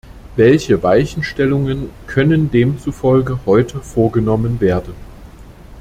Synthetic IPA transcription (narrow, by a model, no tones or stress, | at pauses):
vɛlçəvaɪçn̩ʃtɛlʊŋənkʰœnəndeːmt͡sufɔlɡəhɔʏtʰəfoːɐɡənɔmənveːɐdn̩